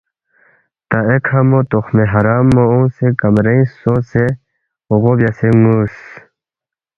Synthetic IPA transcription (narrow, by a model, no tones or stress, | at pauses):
t̪aekʰhɐmot̪oxmeɦɐɾaːmːoũsekɐmɾeĩsose | oɣobjaseŋus